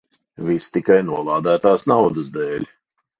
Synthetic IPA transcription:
vist̪ikajnuɔlˠɑːd̪æːt̪aːsnawd̪əzd̪ɛːlʲ

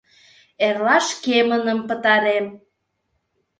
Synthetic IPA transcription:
erlɑʃkemənəmpə̆t̪ɑɾem

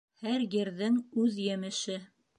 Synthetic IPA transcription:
hæɾjɘ̆ɾðɘŋʉðjɘ̆mɘ̆ʃɘ

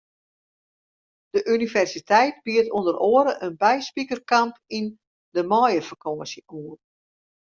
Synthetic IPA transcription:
d̥əʔynivɛrsitʰɛjt̚biətundəɾoəɾəʔənbɛjspikərkampin | dəmɔjəfərkʰɔːsjəʔuːər

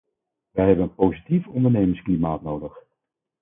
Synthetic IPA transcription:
ʋɛjɦɛbənənpowzitifɔndəɹnejmənsklimaːtnowdəχ

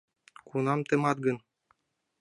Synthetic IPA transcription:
kunɑmt̪ɤ̆mɑt̪̚ɡɤ̆n

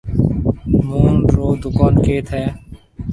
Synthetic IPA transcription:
moːnɾoːd̪ʊkaːnkeːt̪ʰɦɛː

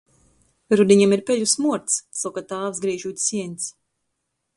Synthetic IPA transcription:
ɾud̪iɲamiɾpʲɛʎʲusmuɔɾt̪ssawkat̪aːvsɡɾiːʒut̪ʲsiɛnʲt̪s

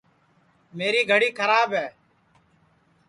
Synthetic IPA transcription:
meːɾiːɡʱəɽiːkʰəɾaːbɦɛː

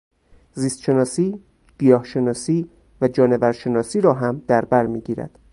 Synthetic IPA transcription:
ziːst̪ʃe̞nɒːsiː | b̥ijɒːhʃe̞nɒːsiː | væd͡ʒɒːne̞væɾʃe̞nɒːsiːɾɒːɦæmd̪̥æɾbæɾmiːɟiːɾæ̰d̪̥

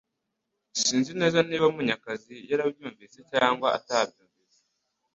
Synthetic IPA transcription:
siːnzine̞ːzaniːβamuɲakazijaɾabjuːɱviːse̞caːŋɡwaa̰tab̚juːɱviːt͡se

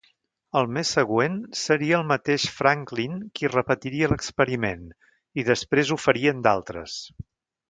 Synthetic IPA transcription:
əlˠmesːəɣwensəɾiəːlˠmət̪eʃfɾaŋklinkirəpət̪iɾiələkspəɾimen | iðəspɾezufəɾiənd̪alˠt̪ɾə̰s

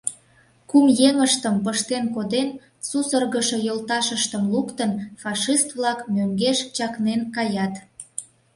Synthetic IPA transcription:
kumjeŋəʃt̪əmpəʃt̪enkod̪en | susərɣəʃojolt̪ɑʃəʃt̪əmlukt̪ənfɑʃist̪βlɑkmøŋɡeʃt͡ɕɑknenkɑjɑt̪

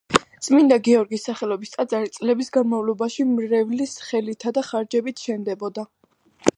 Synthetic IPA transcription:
z̥ʼmind̪aɡiɔɾɡisːaχɛlˠɔbist̪ʼad̪zʼaɾit̪sʼlɛbisɡanmavlɔbaʃimɾɛvlisχɛlit̪ʰad̪aχaɾd͡ʒɛbit̪ʰʃɛnd̪ɛbɔd̪a

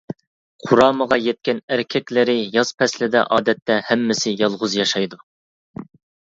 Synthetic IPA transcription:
qʰʊɾɑːməʁɑjɛt̪̚kʲɛnæɾkʲʰɛkʲlɪɾɪjɑz̥pʰɛslɪd̪ɛ̰ʔɑːd̪ɛt̪ːɛhɛmːɪsɪjɑlˠʁʊzjɑʃɑjd̪u

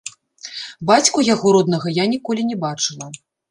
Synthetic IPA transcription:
bat͡sʲkujaɣɔɾɔd̪nɐɣɐjanʲikɔlʲinʲɛbat͡ʂɨlˠɐ

